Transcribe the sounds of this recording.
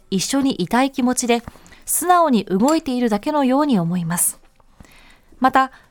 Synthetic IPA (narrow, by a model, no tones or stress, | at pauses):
iɕːo̞ɲ̟iʔit̪aikʲimo̞t͡ɕid̪e̞sɨnao̞ɲ̟iʔɯ̟ɡo̞it̪e̞iɾɯ̟d̪ake̞no̞jo̞ːɲ̟io̞mo̞imasɨ̥ | mat̪a